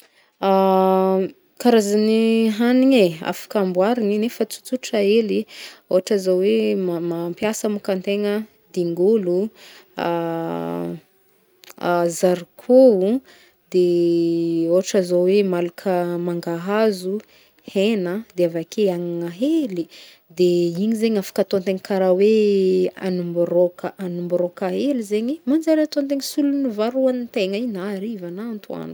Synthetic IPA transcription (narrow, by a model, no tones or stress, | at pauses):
a | kaɾazaniɦaniɲea̰fḁkambwaɾiŋinefət͡su̥t͡suʈ͡ʂaelioɦaʈ͡ʂazawemmampjasəmukant̪eŋə | d̪iŋɡulṵ | zaɾikʰuu | d̪e | oaʈ͡ʂazowemalakʰəmaŋɡaɦazu | henəd̪eavakʰeaŋŋaɦeli | d̪eiɲizeɲafḁkat̪ont̪eŋkaɾawe | a̰numbuɾokəʔanumbuɾokaelizeɲimand͡ʒaɾat̪ont̪̬eŋsulunivaɾuanit̪eŋainaɾivanant̪ua̰nu̥